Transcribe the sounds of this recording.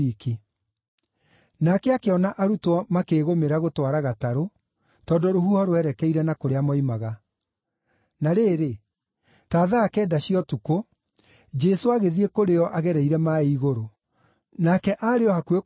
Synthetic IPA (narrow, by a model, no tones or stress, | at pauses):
iki | nakɛakeɔnaʔaɾutwɔmakeːɣomeɾaɣotwaɾaɣataɾo | tɔdɔɾohuhɔɾwɛɾɛkɛiɾɛnakoɾeamɔimaɣa | naɾeːɾe | taːðaːkɛːdaɕiɔtuko | d͡ʒɛsoaɣeðiekoɾeɔʔaɣɛɾɛiɾɛmaiɣoɾo | nakɛʔaɾeɔhakwe